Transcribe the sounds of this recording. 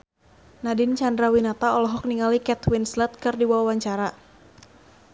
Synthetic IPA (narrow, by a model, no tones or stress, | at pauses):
nadɪnt͡ʃandɾawinat̪aɔlɔɦɔk̚niŋalikɛt̪wɪnslɛt̪̚kɨrdiwawaɲt͡ʃaɾa